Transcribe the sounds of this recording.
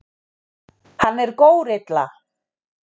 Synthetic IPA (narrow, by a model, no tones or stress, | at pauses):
hanːɛɾkoːwɾɪt̪la̰